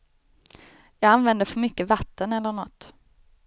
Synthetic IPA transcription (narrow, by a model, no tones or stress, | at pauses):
jɑːɡanvɛnd̪əfœɾmʏkːəvat̪ːənɛlːəɳɔt̪ː